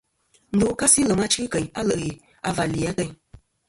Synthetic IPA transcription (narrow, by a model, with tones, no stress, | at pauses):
n̩˨do˨˦ka˦si˦lə˨ma˦t͡ʃɨ˦kə˨ɲa˦lə˨ʔji˨ | a̰˨va˨li˨a˦tə˦ɲ